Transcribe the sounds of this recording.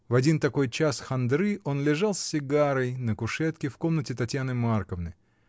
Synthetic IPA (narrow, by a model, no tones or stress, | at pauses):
vɐdʲint̪ɐko̞jt͡ɕasxɐnd̪ɾɨʔo̞nlʲɪʐalˠsʲːɪɡaɾəjnəkʊʂɛt̪kʲɪfko̞mnətʲɪt̪ɐtʲjanɨmarkəvnə̰j